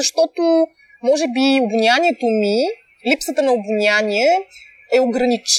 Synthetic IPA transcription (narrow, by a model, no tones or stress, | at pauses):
ɐʃt̪ɔt̪o | mɔʒɛbiobunʲaniɛt̪omi | lipsət̪ənɐobunʲanʲiɛ | ɛoɡɾɐnit͡ʃ